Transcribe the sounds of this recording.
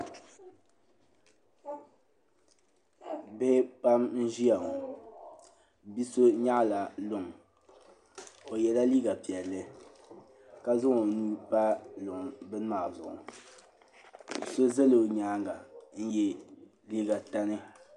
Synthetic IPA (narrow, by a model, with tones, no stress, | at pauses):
be˦pa˦mn̩˦ʒi˦a˨ŋo˨ | bi˦so˦ɲa˦ʔla˨lʊ˨ŋ | o˨jɛ˨la˦liː˦ɡa˨pi˨ɛ˨lːɨ˦ | ka˦zʊ˦ŋo˨nuː˦pa˦lʊ˨ŋ˨bɨ˦n˦maː˨zʊ̰˨ʔʊ̰˨ | so˦zɛ˦lɨ˨ɲaː˨˦ŋɡa˨n̩˦jɛ˦ | liː˦ɡa˨ta˦nɨ˦